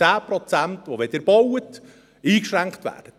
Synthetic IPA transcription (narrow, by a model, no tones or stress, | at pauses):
æːpɾɔt͡sæntʋoʋedəɾb̥ɔwət | iːkʃɾæŋkχt̪ʋæ̰ːd̥ə